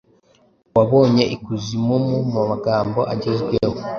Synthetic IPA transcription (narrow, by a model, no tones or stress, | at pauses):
waβo̞ːɲe̞ʔikuzimumumumaɡaːmbo̞ʔaɟezɡweho